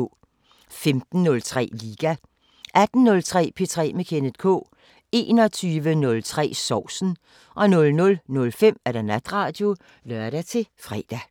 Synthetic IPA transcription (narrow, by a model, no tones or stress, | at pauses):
femd̥n̩ːɔ̽lt͡sʰʁɛ̰ːliːɡ̥æ | ʔæd̥n̩ːɔ̽lt͡sʰʁɛ̰ːpʰe̝̰t͡sʰʁɛ̰ːmekʰened̥kʰɔ̰ː | e̝̰ːnɒt͡sʰyːʋənɔ̽lt͡sʰʁɛ̰ːsɒʊ̰sn̩ | ʔɒ̽nɔ̽lnɔ̽lnɔ̽lfem̰æɐɾ̥ænæd̥ʁɑ̈d̥jo̝ | lɶɐɾ̥æt͡sʰe̝fʁɛːd̥æ